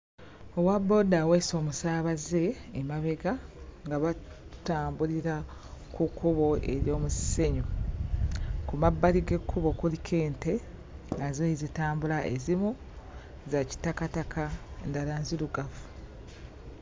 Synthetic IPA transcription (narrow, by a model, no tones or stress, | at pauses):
o̞wabːo̞daweːso̞ːmusaːβaze̞ːmaβeɡaŋɡaβa | taːmbuɾiɾakukːuβo̞e̞̰ɾjo̞ːmusseɲo | kumabːaliɡe̞kʰːuβo̞kulikʰe̞ːnte̞ | azoizitaːmbulaʔezimu | zaci̥takatakʰaendalaːnziluɡafu̥